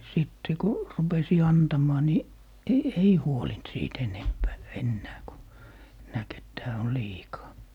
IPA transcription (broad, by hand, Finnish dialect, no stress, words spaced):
siˑtːe ku rupesi ɑntɑmˑɑː ni e ei huolint siːt enempæː enːæː ku næk et tæː on liːkɑː